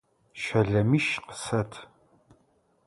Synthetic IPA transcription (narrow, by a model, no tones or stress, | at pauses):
ʃɐɮɐmiʃqə̥sɐtʰ